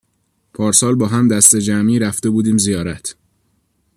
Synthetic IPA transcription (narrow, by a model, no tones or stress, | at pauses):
pʰɒːɾsɒːlbɒːɦæmd̪æst̪e̞d͡ʒæmiːɾæft̪e̞buːd̪iːmzijɒːɾæt̪ʰ